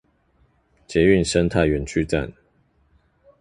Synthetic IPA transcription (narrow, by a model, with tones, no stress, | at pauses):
t͡ɕjɛ˨˧˦y˥˨nʂə˦nt̪ʰa˥˨ɪɥɛ˨˩nt͡ɕʰy˥˧t͡sa̰˥˨n